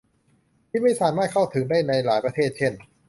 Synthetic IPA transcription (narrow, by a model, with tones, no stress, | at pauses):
t̪ʰi˥˩ma˥˩jsaː˨˦maː˥˩t̪̚kʰa˥˩wt̪ʰɯ˩˦ŋdaː˥˩jna˧jlaː˩˦jpɾa˧t̪ʰeː˥˩t̪̚t͡ɕʰe˥˩n